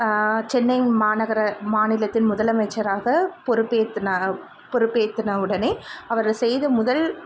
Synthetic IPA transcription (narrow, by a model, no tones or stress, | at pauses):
t͡ʃɛnːɐɪmaːnɐɣɐɾɐmaːnɪlɐt̪ːɪnmʊðɐlɐmɐɪt͡ʃːɐɾaːɣɐpɔɾɯpːeːt̪ːɯnɐ | pɔɾɯpːeːt̪ːɯnɐɯɽɐneːɐʋɐɾsɛjðɯmʊðɐl